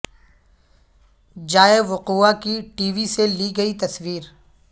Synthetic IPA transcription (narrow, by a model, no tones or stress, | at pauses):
d͡ʒaːeʋʊquːakiʈiːʋiseliɡɐit̪ɐsʋiːɾ